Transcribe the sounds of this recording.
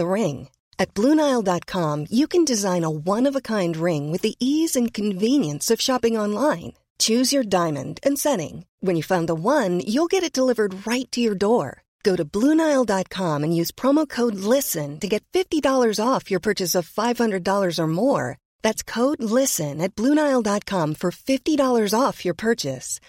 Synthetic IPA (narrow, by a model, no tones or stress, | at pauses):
əɹɪ̃ŋ | ɨt̚b̥lũnaɪlˠdɑt̚kʰɑ̃mjɨkʰɨ̃n̩dɨzãɪ̃nəwʌ̃nʌvəkʰãɪ̃nd̚ɹɪ̃ŋwɨðiʔizɨ̃nkʰɨ̃ɱvĩnjɨ̃nsʌv̥ʃɑpɪ̃ŋɑ̃nlãɪ̃n | t͡ʃʰʉzjə˞dãɪ̃mɨ̰̃ndɨ̃nsɛɾɪ̰̃ŋ | wə̃ɨ̃njɨfãʊ̃nðəwʌ̃njulˠɡɛɾɨt̚d̥əlɪvə˞d̚ɹaɪtʰɨjə˞dɔɹ | ɡ̥oʊɾɨblunaɪl̩ˠdɑt̚kʰɑ̃mɨ̃njʉz̥pʰɹ̥ɑmoʊkʰoʊdˡlɪsɨ̃ntɨɡɛtfɪftidɔlˠə˞zɔfjə˞pʰɜ˞t͡ʃɨsʌv̥faɪv̥hʌ̃ndɹɨdɔlˠə˞zə˞mɔɹ | ðætskʰoʊdˡlɪsɨ̃nɨt̚b̥luñaɪl̩ˠdɑt̚kʰɑ̃mɱfə˞fɪftiɾɔlˠə˞zɔfjə˞pʰɜ˞t͡ʃɨ̰s